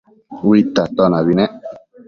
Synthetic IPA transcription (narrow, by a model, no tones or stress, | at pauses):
wit̪at̪ɔnaβinɛ̃